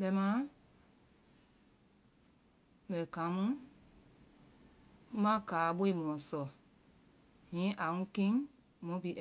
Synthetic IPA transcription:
ɓɛ˧˦mã˦ | ɓɛ˨kã˨˦mũ˦ | mã˦kaː˨˦ɓo˦i˦˨mɔ̃˨sɔ˨ | ɲĩ˨˦ʔa˨ŋũ˦kĩ˦ŋ | mɔ̃˨˦pi˨˦˨

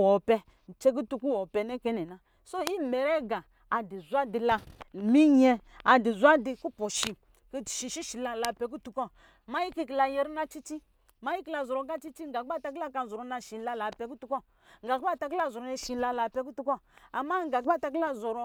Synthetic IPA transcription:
ɔ˨pɛ˧ | n̩˨t͡ʃe˦k̬u˦tu˧ku˦wɔ˨pɛ˧˨nɛ˦kɛ˦nɛ˨na˨ | so˦i˦me˨ɾɛ˦ɡa˨ | a˨di˨zʷa˦di˧la˧mi˦ɲɛ˧ | a˨di˨zʷa˦di˧ku˦pɔ˨ʃi˨ | ki˦˨ʃi˧ʃi˦ʃi˨la˧la˧pɛ˨k̬u˦tu˨kɔ˦ | ma˦ji˦ki˧ki˨la˧je˧ɾi˦na˦t͡ʃi˦t͡ʃi˦ | ma˦ji˦ki˦la˧zɔ˨ɾɔ˨ɡa˦t͡ʃi˦t͡ʃi˦ŋɡa˨k̚a˦ta˧ki˦a˦ka˧˨zɔ˨ɾɔ˨na˧ʃi˨n˦la˧la˨pɛ˧˦ku˦tu˦kɔ˦ | ŋɡa˨ka˦˨ta˧k̬i˦la˦zɔ˨ɾɔ˨na˧˨ʃi˨˦la˧la˨pɛ˧k̬u˦tu˦kɔ˦a˨ma˦ŋɡa˨k̚ɓa˦˨ta˧k̬i˦la˦zɔ˨ɾɔ˧

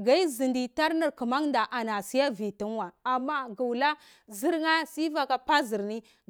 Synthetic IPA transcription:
ɡa˦i˦zi˨ndi˨ta˦ɾni˨ɾku˨ma˦ŋnda˨ʔa˨na˨si˦ja˦vi˨ti˦nwa˨a˨mːa˦ɡu˨wla˦ | zi˦ɾŋa˦si˦va˨ka˦pa˦zi˨ɾni˦

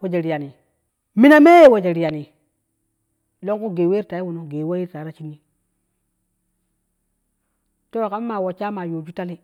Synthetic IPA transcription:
wo˨d͡ʒe˨ɾi˨ja˨ni˨ | mi˦na˦me˦je˦˨wo˨d͡ʒe˨ɾi˨ja˨ni˨ | lo˦ku˦ɡe˨we˦ta˨i˦wu˨no˦ɡe˨˦wa˦ji˦ɾta˨˦na˦t͡ʃi˦ni˦ | to˦˨ka˦m˦ma˨wo˨t͡ʃa˦ma˨jo˨d͡ʒu˦ta˦li˦

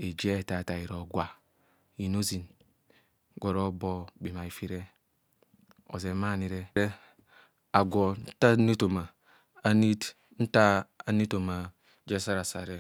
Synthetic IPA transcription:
e˨d͡ʒe˦˨ta˨ta˨i˨ɾo˨ɡʷwa˨ | ji˨no˦zi˨n | ɡo˨ɾo˦bo˦bi˨ma˨i˨fi˦ɾe˦ | o̰˨ze˨ma˦ni˨ɾe˦ɾe˦ | a˨ɡo˨n˦ta˦ni˦to˨maː˨˦ | ni˦t | n̩˦taː˦˨ni˦to˨ma˨ | d͡ʒe˦sa˦ɾa˨sa˨ɾe˦

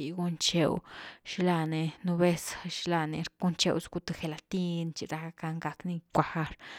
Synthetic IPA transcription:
i˨ɡu˦nt͡ʃe˧wʃla˧ne˧nu˧be˦sʃla˧ne˧ɾku˦nt͡ʃḛ˧wsɡu˧t̪e˧xe˨la˨t̪i˦nt͡ʃi˧˨ɾa˧a˧ka˧ŋɡa˧kni˧kʷa˧ha˦˧ɾ

